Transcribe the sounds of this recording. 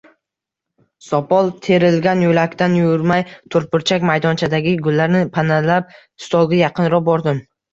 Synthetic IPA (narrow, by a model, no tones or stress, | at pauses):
sɒpʰɒlˠt̪ʰe̞ɾɪlɡʲanjolakʲt̪anjʊɾmajt̪ʰʊɾpɪɾt͡ʃʰakʲmajd̪ɒnt͡ʃʰad̪aɡʲɪɡʊlːaɾnɪpʰanalap̚ | ɪst̪ʰɒlˠɡʲajɑqʰɨnɾɒbɒɾd̪ɪm